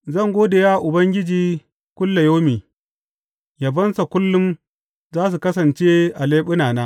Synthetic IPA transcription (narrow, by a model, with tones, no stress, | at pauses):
zɐ˦˨ŋɡʷoː˦da˨jaː˦ʔʊ˨bɐ˦ŋɡʲɪ˦d͡ʒiː˨ | kʷʊ˦lːa˨joː˦miː˨ | ja˨bɐ˦nsa˨kʷʊ˦lːʊ˦m | zaː˦s̬u˨kɐ˦s̬ɐ˨nt͡ʃe˦ʔa˨leː˦ɓʊ˦naː˨naː˦